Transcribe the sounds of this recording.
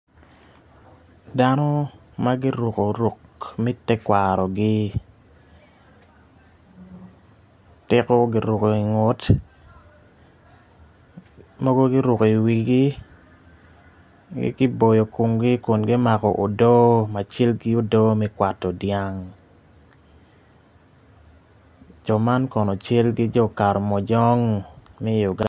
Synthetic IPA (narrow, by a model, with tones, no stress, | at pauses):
da˦nɔ˦ | ma˦ɡɪ˦ɾu˨ko˨ɾo˨kmi˦tɛ˦kwa˨ɾɔ˨ɡɪ˦ | tɪ˦kɔ˦ɡɪ˦ɾʊ˨ko˨i˨ŋo˦t | mɔ˦ɡo˦ɡɪ˦ɾʊ˨ko˨i˨wi˨ɡi˦ | ɡɪ̰˦ɡɪ˦bo˨jo˨ku˨ŋɡɪ˦ko˨nɡɪ˦ma˨kɔ˨ʔo˨do˦ma˨t͡ʃe˦lɡi˦o˦do˦mɛ˦kwa˨tɔ˨dja˦ŋ | d͡ʒɔ˨ma˦nkɔ˨nɔ˨t͡ʃe˦lɡɪ˦d͡ʒɔ˦ka˨ɾɔ˨mɔ˨d͡ʒɔ˦ŋmɛ˦ju˨ɡa